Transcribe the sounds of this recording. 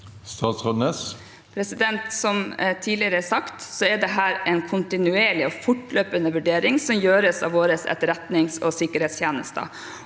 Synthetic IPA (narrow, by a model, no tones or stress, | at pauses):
st̪ɑːt̪sʁɔnes | pʰɾɛsɪd̪ɛnt̪sɔmt̪ʰiːdlɪəɾəɛsɑkt̪sɔɛɖ̪ɛɦæːɾɛnkʰʊnt̪ɪnʉeːɭɪɔfʊʈløːpənəʋʉɖeːɾɪŋsɔmjøːɾəsɑ̰ʋoːɾəsɛ̰t̪ɾɛt̪nɪŋsɔ̰sɪkəɾheːt̪sʰjeːnə̰st̪ə̰